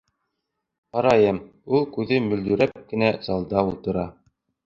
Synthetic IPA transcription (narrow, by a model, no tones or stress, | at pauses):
qɑɾɑjɤm | ulˠkʉðɘmɵ̆ld̪ɵ̆ɾæp̚kɘ̆næzɑlˠd̪ɑulˠt̪ɤ̆ɾɑ